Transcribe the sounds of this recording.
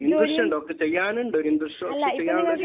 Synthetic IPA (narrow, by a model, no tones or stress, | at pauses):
ind̪ɨrʂɐɳɖokːet͡ɕejːaːnuɳɖoɾind̪ɨʂɐokːet͡ɕejːaːnu